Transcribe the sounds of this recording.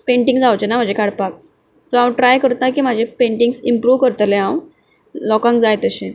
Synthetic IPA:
pẽɳʈĩŋɡd͡zawt͡ɕenam̤əd͡ʑʱekaɽpak̚ | sɔãwʈɾajkəɾt̪nakiːmad͡ʑʱepeɳʈĩŋɡsimpɾuːʋkəɾt̪əlẽɦãw | lɔkãŋk̚d͡zajt̪əɕẽ

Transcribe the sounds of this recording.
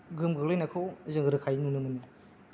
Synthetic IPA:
ɡɯmɡɯɡlajnakʰɯwzɯŋɾɯkʰajnunɯmɯnɯ

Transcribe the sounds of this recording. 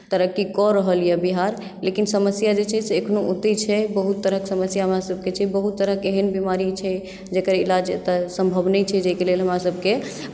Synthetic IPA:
t̪əɾəkikɔɾəɦəljɛbiɦaɾ | lekinsəməsjad͡ʒet͡ʃʰɛseːkʰnout̪it͡ʃʰɛbəɦut̪ːəɾəɦksəməsjaɦəmɾasəb̚ʱket͡ʃʰɛbəɦut̪ːəɾəkeɦənbimaɾit͡ʃʰɛ | d͡ʒekəɾilad͡ʒt̪əsəmbʱəbnət͡ʃʰɛd͡ʒəikelelɦəmɾasəb̚ʱke

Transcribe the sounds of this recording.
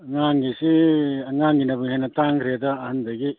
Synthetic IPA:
ŋaŋɡisiɐŋaŋɡinɐbɯŋhenɐtaŋkʰɾiadɐːhɐndɐɡi

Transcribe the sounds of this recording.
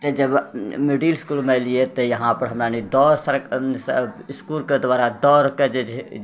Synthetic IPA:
t̪əd͡ʒəbmiɖilskuːlmelijet̪ɔjəɦãpəɾɦəmɾanid̪ɔːɾsəɾksskulked̪waːɾad̪ɔːɾked͡ʒed͡ʒ

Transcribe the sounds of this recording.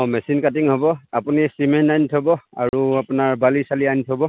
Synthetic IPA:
ɔmɛsinkat̬iŋɦɔbɔapunisimɛntajntʰɔbɔa̰ɹuapʊnaɹbalisaliajntʰɔbɔ

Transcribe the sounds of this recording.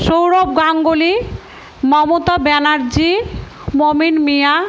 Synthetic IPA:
ʃowɾobɡaŋɡoli | mɔmot̪abɛnaɾd͡ʑi | mominmija

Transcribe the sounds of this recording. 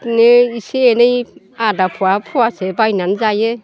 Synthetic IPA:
nɯiseenɯj | adapʰuapʰuwasebajnanzaje

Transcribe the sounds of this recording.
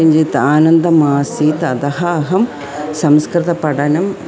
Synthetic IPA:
iɲd͡ʒit̪aːnɐnd̪ɐmaːsiːt̪ɐd̪ɐɦɐːɦɐm | sɐmskɾɪt̪ɐpɐɽɐnɐm

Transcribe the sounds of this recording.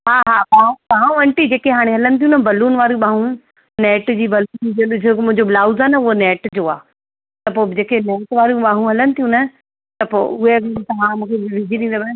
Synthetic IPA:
ɦaːɦaːpaːũpaːũʋɐ̃ɳʈid͡ʑeːkeɦaːɽ̃eɦɐlənɪ̆t̪ʰijũnɐbɐluːnʋaːɾiũɓãːɦũ | neːʈd͡ʑiːbɐluːnd͡ʑeʊd͡ʑkmʊ̃ɦɪ̃ɲd͡ʑoblaːʊzaːnɐʊɦonɛːʈd͡ʑoːaː | t̪ɐpoːd͡ʑeːkenɛːʈʋaːɾijũɓaːɦũɦɐlənɪ̆t̪ʰijũnɐ | t̪ɐpo̰ːʊɦeɐɡt̪ɐʋãmũːkʰeʋɪd͡ʑʱiɗĩːnd̪obaː

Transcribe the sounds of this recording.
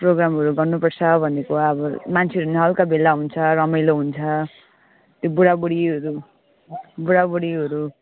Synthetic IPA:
proɡɾamɦʌɾuɡʌrnupʌrt͡sʰʌbʱʌnekoaʌbʌmant͡sʰeʌɾuuneɦʌlkabelːaɦunt͡sʰʌɾʌmʌjloɦunt͡sʰʌ | t̪jobuɽabuɽiɦʌɾu | buɽabuɽiɦʌɾu

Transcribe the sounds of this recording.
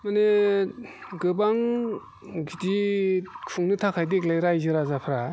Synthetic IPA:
mane | ɡɯbaŋ | ɡidikʰuŋnɯtʰakʰajdek̚lajɾajzɯɾazapʰɾa

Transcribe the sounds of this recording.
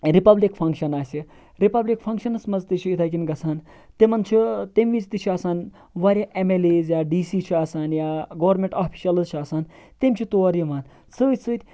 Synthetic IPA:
ɾipɐblikpʰɐŋkʃɐnaːsʲi | ɾipɐblikpʰɐŋkʃɐnɨsmɐzt̪it͡ʃʰiit̪ʰaːk̬ʲinɡɐt͡sʰaːn | t̪emɐnt͡ʃʰit̪emʋit͡ʃt̪it͡ʃʰiaːsaːn | ʋaːɾʲɐʔemeleːzjaːɖiːsiːt͡ʃʰiaːsaːnjaːɡɐːʋɐɾmeɳʈaːpʰi̥ʃɐlɨzt͡ʃʰiaːsaːnt̪emʲt͡ʃʰit̪oɾimaːn | sɨːt̪ʲsɨːt̪ʲ

